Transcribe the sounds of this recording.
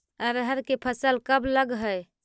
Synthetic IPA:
əɾəɦəɾkepʰəsəlkəbləɡɦəj

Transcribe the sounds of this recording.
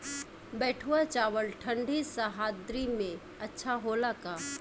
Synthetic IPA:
bɛːʈʰuat͡ʃaːʋəlʈʰə̃ɳɖʱisaɦaːd̪ɾimẽ | ɐtːʃʰaɦoːlakaː

